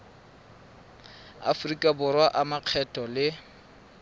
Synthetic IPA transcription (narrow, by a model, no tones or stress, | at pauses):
a̰frikʼabʊrwaʔamaq͡χʰɛtʼɔlɪ